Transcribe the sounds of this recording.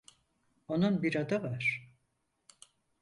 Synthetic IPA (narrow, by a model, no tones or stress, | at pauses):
onanbiɾad̪avaɾ̥